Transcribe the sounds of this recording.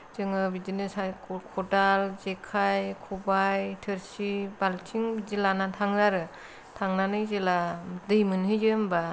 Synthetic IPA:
z̥ɯŋɯbizinɯsakʰɔdalzekʰajkʰubajtʰɯɾsibaltʰiŋbid͡ʒilanatʰaŋɾaɾɯ | tʰaŋnanɯjzeladɯjmɯnɦɯd͡ʒɯmba

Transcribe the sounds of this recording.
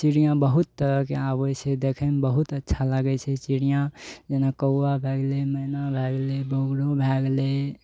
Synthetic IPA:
siɽijãbəɦut̪ːəɾəɦkeawɛt͡ʃʰɛd̪ekʰɛmbəɦut̪ətːʃʰaləɡɛt͡ʃʰɛt͡ʃiɽijãd͡ʒenakəːabʱeɡlemənabʱɛɡlebʱoɡɽobʱɛɡle

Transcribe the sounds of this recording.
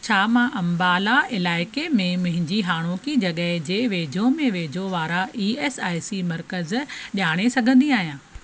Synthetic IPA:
t͡ɕʰaːmãʔɐ̃mbaːlaɪlaːɪkemẽmʊ̃ɦɪ̃ɲd͡ʑiɦaːɽ̃oːkid͡ʑɐɠəɦd͡ʑeːʋeːd͡ʑʱõmẽʋeːd͡ʑʱõʋaːɾaiːeːsaːɪsimɐɾkəzʄaːɽ̃esɐɡʱə̃nd̪iaːɦijãː

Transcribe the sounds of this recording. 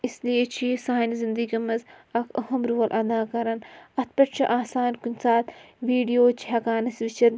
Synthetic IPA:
islijet͡ʃʰisaːnzind̪əɡʲɐmɐzɐkɐɦɐmɾuːɐlʔɐd̪aːkɐɾɐnɐt̪̚ʰpɐʈt͡ʃʰiʔaːsaːnkunʲsaːt̪ʋiːɖijoːt͡ʃʰi̥ɦɐkaːnɐsʋit͡ʃʰɐn

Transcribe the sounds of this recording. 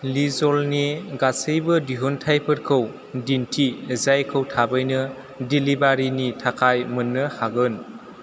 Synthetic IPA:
lizɔlneɡasɯjbɯdiɦɔntʰajpʰɯɾkʰɯw | dintʰizajkʰɯwtʰabɯjnɯ | dilibaɾinitʰakʰajmɯnːɯhaɡɯn

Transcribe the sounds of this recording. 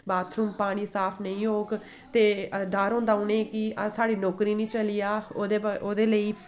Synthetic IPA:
baːt̪ʰɾuːmpaːɽ̃iːsaːpʰnəĩːɦoːɡ | t̪eːɖaːɾɦʊ̃ːnd̪aːʊneːkɪsaːɽiːnɔːkɾiːnĩːt͡ʃəlijaːeoːd̪eːləiː

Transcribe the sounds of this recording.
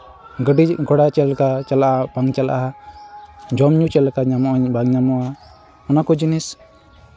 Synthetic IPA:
ɡəɖiɡʱɔɽat͡ʃɛlkat͡ʃalaʔabaŋt͡ʃala̰ʔaa | d͡ʒɔmɲut͡ʃɛlkaɲamɔʔbaŋɲamɔa | ɔnakɔd͡ʒinis

